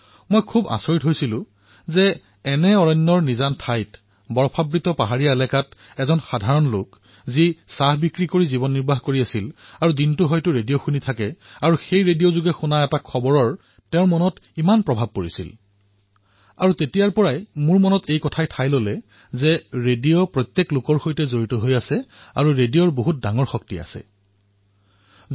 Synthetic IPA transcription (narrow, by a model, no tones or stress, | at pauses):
mojkʰuba̰soɹitɦojsilʊ̃ | zɛ | ɛnɛɔɹɔnːɔɹnizantʰajt | bɔɹɔpʰabɹitɔpaɦaɹiaɛlɛkat | ɛzɔnxadʱaɹɔnlo̰k | zisaɦbikɹikoɹizibɔnːiɹbʱaɦkoɹiasilaɹudintʊɦɔjtʊɹedijoxunitʰakɛaɹuxejɹedijozuɡɛxunaɛtakʰɔbɔɹɔɹ | tɛʊ̃mɔnɔtimanpɹɔbʱab̚koɹisḭl | a̰ɹutetijaɹpɔɹajmʊɹmɔnɔtʰejkɔtʰajtʰajlolɛ | zɛɹedijopɹɔjt̪jeklʊkɔɹxojtɛzoɹitɔɦojasɛa̰ɹuɹedijɔɹboɦut̚daŋɔɹxɔk̚tia̰sɛ̰